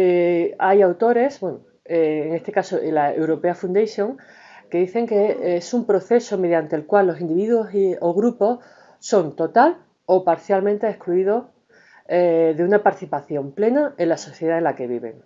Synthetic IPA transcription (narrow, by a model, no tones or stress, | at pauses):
eajawt̪o̞ɾe̞sbweno | eːŋe̞st̪e̞kaso̞ʔilaewɾo̞pe̞afund̪ejsjo̞ŋ | ke̞ðiθe̞ŋke̞esumpɾo̞θe̞so̞me̞ðjant̪e̞ːlkwalːo̞sind̪iβiðuo̞sioɣɾupo̞ | so̞nt̪o̞t̪al | o̞paɾθjalmẽnt̪e̞ːhkluiðo̞ | eðeunapaɾt̪i̥θipaθjo̞mple̞nae̞nlaso̞θje̞ð̞aelake̞βiβe̞̰ŋ